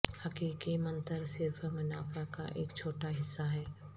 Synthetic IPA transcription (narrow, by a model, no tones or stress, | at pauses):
hɐkiːkimɐ̃nt̪əɾsɪɾfʰmʊnaːfʰakaʔḛːkt͡ʃʰoːʈaɦɪsːaɦɛː